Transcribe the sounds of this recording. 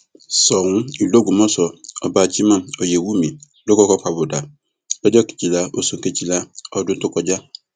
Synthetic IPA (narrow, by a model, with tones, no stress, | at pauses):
sɔ˨ŋʊ̃˦i˨lo˦ɡu˨mɔ̃˦sɔ˨ɔ˨baː˨t͡ʃi˦mã˦ɔ˨je˨wu˦mĩ˨ | lo˦kɔ˦kɔ˦k͡pa˨bʊ˨da˨ | bɛ˦d͡ʒɔ˦˨ki̥˨t͡ʃi˨la˦o˦sũ˨ŋ˨ke˨t͡ʃi˦la˦ɔ˦dʊ˦n̩˦tʊ˦kɔ˦d͡ʒa˦